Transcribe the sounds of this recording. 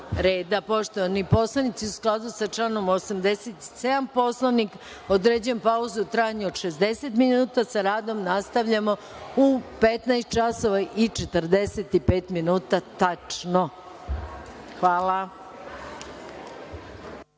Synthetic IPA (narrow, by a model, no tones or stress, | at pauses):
ɾeːd̪apo̞ʃt̪oʋanipo̞slˠanit̪siusklˠad̪usat͡ʃlˠano̞mosamd̪e̞set̪i̥se̞d̪ampo̞slˠanik | od̪ɾed͡ʑenpauzuut̪ɾajaɲuod̪ʃezd̪e̞set̪minuːt̪asaɾaːd̪o̞mnast̪aʋʎamo̞ | upet̪najst̪̚t͡ʃaso̞ʋaʔit͡ʃet̪ərd̪e̞set̪ipe̞ːt̪minuːt̪at̪at͡ʂno | xʋaːla